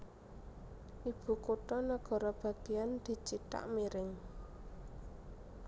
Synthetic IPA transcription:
ʔib̥ṳkoʈɔnaɡ̥ɔ̤ɾɔb̥a̤ɡ̥ejand̪̥i̤t͡ʃiʈ̪a̰ʔmiɾɪŋ

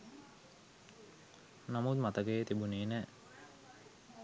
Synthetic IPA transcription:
namut̪mat̪əkejet̪ibuneːnɛː

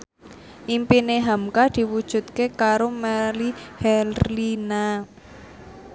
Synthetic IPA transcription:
ʔimpineɦamkad̪̥i̤wud̥ʒ̥ṳt̪̚kekaɾomɛlihɛllina

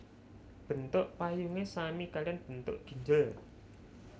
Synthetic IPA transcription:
b̥ə̤nt̪ʊʔpajuŋesamikalianb̥ə̤nt̪ʊ̰ʔɡ̥i̤ɲd͡ʒəl

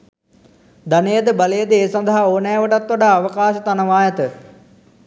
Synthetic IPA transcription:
d̪anejəd̪əbalejəd̪əeːsɐnd̪aɦaoːnɛːʋəʈat̪ʋoɖaːʋəkaːʃət̪anəʋaːjət̪ə

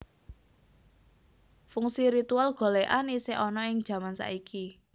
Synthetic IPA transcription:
fuŋsiɾit̪ualɡ̥o̤leʔaniseʔɔnɔɪŋd̥ʒ̥ä̤mansa̰ʔikʰi

